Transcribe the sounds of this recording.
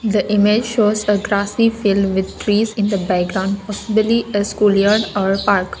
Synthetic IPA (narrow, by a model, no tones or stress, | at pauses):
d̪əʔɪmed͡ʒʃoːzəɡɾaːsifɪlɖʋɪd̪̚ʈɾiːzɪ̃nd̪əbækɡɾãʊ̃ɳɖpɔsɪbəliəskuːljəɾɖɔːɾpaːɾk